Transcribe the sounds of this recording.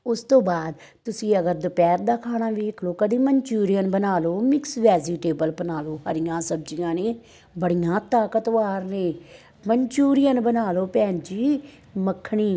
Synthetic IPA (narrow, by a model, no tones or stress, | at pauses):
ʊst̪õːbaːd̪ | t̪ʊsĩːəɡəɾd̪əpɛːɾd̪aːkʰaːñaːʋiːɪkʰloːkəd̪iːməɲt͡ʃuːɾɪjənbənaːloːmɪksʋɛːziːʈeːbəlbənaːloːhəɾɪjãːsəb̚d͡ʒɪjãːneː | bəɽɪjãːt̪aːkət̪ʋaːɾneː | məɲt͡ʃuːɾɪjənbənaːloːpɛ̃ːnd͡ʒiː | məkʰːɳiː